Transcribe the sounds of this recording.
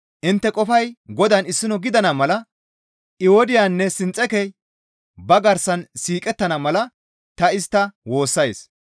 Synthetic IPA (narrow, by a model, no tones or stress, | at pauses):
ʔɪnt̪ːɛkʼɔfɐjɡɔd̪ɐnɪsːɪnɔɡɪd̪ɐnɐmɐlɐ | ʔɪwɔd̪ɪjaːnːɛsɪnt͡sʼːɛkɛ | bɐɡɐɾsɐnsiːkʼɛt̪ːɐnɐmɐlɐ | t̪ɐɪst̪ːɐwo̞ːsːɐjs